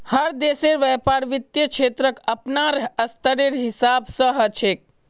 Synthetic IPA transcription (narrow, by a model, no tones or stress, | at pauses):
həɾd̪eseɾʋɛpaɾʋit̪jət͡ʃʰet̪ɾəkəpnaɾəst̪ʰəɾeɾɦisabsə̃ɦət͡ʃʰek̚